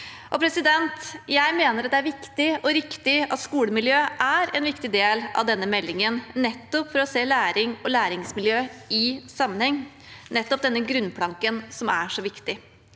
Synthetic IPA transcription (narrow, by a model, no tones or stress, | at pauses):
ʔɔpʰɾɛsɪd̪ɛnt̪jæɪmeːnəɾɑt̪d̪ɛæɾʋɪkt̪ɪɔɾɪkt̪ɪɑt̪skuːləmɪljøːʔæɾɛnʋɪkt̪ɪd̪eːlɑ̰ʋd̪ɛnːəmɛlːɪŋənnɛt̪ːɔpfɔɾɔseːlæːɾɪŋɔlæːɾɪŋsmɪljøːɪsɑmːənhɛŋː | nɛt̪ːɔp̚d̪ɛnːəɡɾʉnːpʰlɑŋkənsɔmæ̰ʂɔʋɪkt̪ɪ